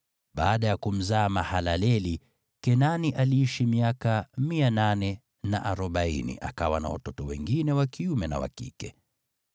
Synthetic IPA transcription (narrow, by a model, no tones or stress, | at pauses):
ɓaːɗajakum̩zaːmahalalɛli | kɛnaniʔaliiʃimiakamiananɛ | na̰ʔaɾɔɓaḭnḭʔa̰kawana̰wa̰tɔtɔwɛ̰ŋɡinɛwakiumɛna̰wa̰kḭkɛ